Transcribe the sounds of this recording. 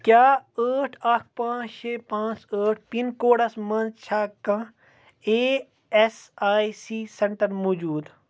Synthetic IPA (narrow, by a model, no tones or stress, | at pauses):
kjaːəːʈʰɐkʰpãːt͡ʃʰt͡ʃʰeːpãːt͡ʃəːʈʰpinkoːɽɐsmɐnzt͡ʃʰaːkːãː | eː | esaːjsiːseɳʈəɾmoːd͡ʒuːd̪